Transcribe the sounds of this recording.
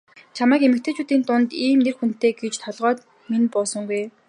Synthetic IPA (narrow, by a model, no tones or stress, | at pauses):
t͡ɕʰamæːkemɘ̆k̚t̪ʰeːt͡ɕuːt̪iːnt̪ʊnt̪iːmnerxun̥t̪eːɡet͡ɕt̪ʰɔɮʁɔːt̪ | minpɔsɞ̆ŋɡuj